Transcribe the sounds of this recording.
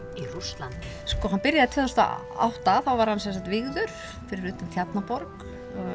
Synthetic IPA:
irust̪lant̪ | skɔɦanpɪɾjaðɪt̪ʰœːðʏst̪a̰ | a̰wht̪aθawvaɾ̥hansɛnsat̪vɪɣðʏɾ̥ | fɪɾɪɾuːt̪amt̪ʰjat̪napɔɾk | ɔ

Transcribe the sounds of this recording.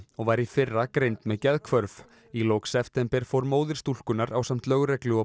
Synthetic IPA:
ɔɣvaɾifɪrːakɾejnt̪mɛðcɛðkʰvœɾv | ilowksɛft̪ɛmpɛɾ̥fowɾmoːwðɪɾ̥st̪ul̥kʏnaɾawsam̥t̪lœɣɾɛklʏɔ

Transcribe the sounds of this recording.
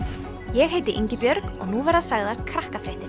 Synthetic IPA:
jɛɣheːjt̪ɪʔḭɲcɪpjœɾkɔ̰ɣnuvɛɾðasaɣðaɾ̥kʰɾahkafɾeht̪ɪɾ̥

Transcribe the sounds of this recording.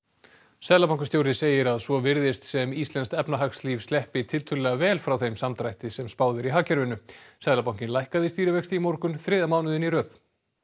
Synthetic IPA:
sɛðlapawŋkʏst̪jowɾɪseːjɪɾaðsvɔvɪɾðɪst̪sɛmist̪lɛnst̪ɛpnaɦaksliːvst̪ɛhpɪt̪ʰɪlt̪ʰʏlɛɣavɛːlfɾawθejmsamt̪ɾajht̪ɪsɛmspaːwðɪɾiɦaːcɛɾvɪnːʏsɛðlapawŋ̥cɪnlajhkaðɪst̪iːɾɪvɛkst̪imowɾkʏnθɾɪːðamaːwnʏðɪniɾœːθ

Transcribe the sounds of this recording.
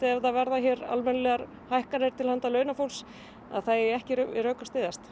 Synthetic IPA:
ɛðavɛɾðaçɛɾa̰lmɛnlɛɣaɾ | hajhkaɾɪɾ̥t̪ʰɪlhant̪alœːɥnafowls | a̰ðθajɛhcɪɾœːkḁst̪ɪːðast̪

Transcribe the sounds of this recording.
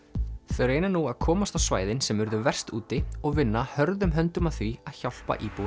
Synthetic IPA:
θœɥɾeːjnanuaðkʰɔːmast̪awsva̰ːjðɪnsɛmvʏɾðʏvɛr̥st̪uːt̪ɪɔɣvɪnːahœɾðʏmɦœnt̪ʏmaðθviaðçawl̥pa̰ʔiːpuw

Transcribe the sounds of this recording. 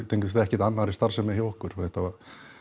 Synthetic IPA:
t̪ejŋkðʏst̪aɛhcɛɾt̪anːaðaɾist̪aɾ̥sɛmːahjawɔhkʏɾ̥ɔɛht̪ːava

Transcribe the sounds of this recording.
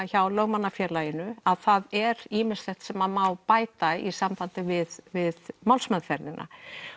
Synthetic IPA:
çawlœɣmanːafjɛːɾlajɪnʏaðθaðɛɾiːmɪst̪lɛht̪sɛmamaːwpaːjt̪aisampant̪ɪvɪðvɪðmawlsmaðfɛɾnɪnʔa̰

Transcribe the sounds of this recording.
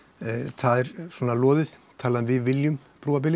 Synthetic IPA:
θaðɛɾswɔːnalɔːðɪθt̪ʰaːlaðnvɪðvɪljʏm | pɾuːap̬ɪlɪ

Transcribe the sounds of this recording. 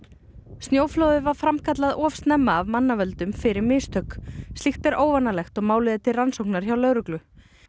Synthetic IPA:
st̪njoːwflowðʏvaɾ̥fɾamkʰat̪̬laðɔːfst̪nɛmːaːvmanːavœlt̪ʏmfɪɾɪɾmɪst̪ʰœkst̪lixt̪ɛɾʔoːwvanalɛxt̪ɔɣmaːwlɪːðɪt̪ʰɪlransowhknaɾ̥çawlœːwɾʏklʏ

